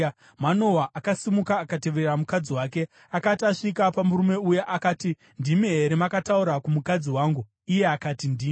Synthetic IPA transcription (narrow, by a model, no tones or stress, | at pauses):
mano̞waʔakasimukaːkate̞ʋeɾramukad͡ziwaːke̞ | akataʂikapamuɾume̞ujaʔakaːti | ndimiɦeɾemakatauɾakumukad͡ziwaːŋɡu | ije̞akaːtindiː